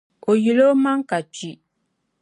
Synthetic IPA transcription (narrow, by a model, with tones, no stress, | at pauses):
o˨ji˨lo˦ma˦ŋ˦ka˨t͡ʃi˨